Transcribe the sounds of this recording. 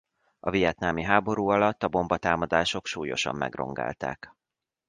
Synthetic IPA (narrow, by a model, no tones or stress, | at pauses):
ɒvijɛt̪naːmiɦaːbo̞ɾuːɒlɒt̪ːɒbo̞mbɒt̪aːmɒd̪aːʃo̞kʃuːjo̞̰ʃɒ̰mːɛ̰ɡro̞̰ŋɡa̰ːlt̪a̰ːk